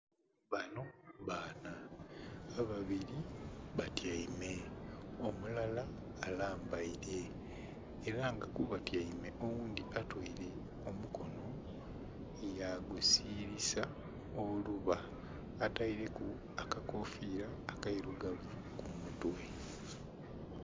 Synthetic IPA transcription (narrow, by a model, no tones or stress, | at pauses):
βano̞βaːnaː | βaβiɾiβatjaime̞omulalaːlaːmbaiɾeː | ɾaŋɡakuβatjaime̞ʔowuːnd̪iʔatwoiɾe̞ | o̞muko̞no̞ | ejaɡusiːɾisa | oluβaː | taiɾe̞ku | akakofiːɾaːkaiɾuɡavu | kumutwe̞